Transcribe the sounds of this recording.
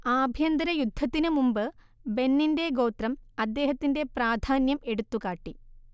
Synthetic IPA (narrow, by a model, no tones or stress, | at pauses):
aːbʱjɐnd̪ɐɾɐjud̪ʱːɐt̪ːinɨmumbɨ | be̞nːinde̞ɡo̞ːt̪rɐmɐd̪ːe̞ːɦɐt̪ːinde̞praːd̪ʱaːnjɐme̞ɽut̪ːukaːʈːi